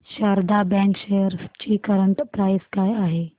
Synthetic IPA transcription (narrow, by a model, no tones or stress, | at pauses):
ʃaːɾd̪abɛ̃ːŋkʃeːjəɾd͡ʑiːkɐɾəɳʈpɾaːɪskaːjaːɦeː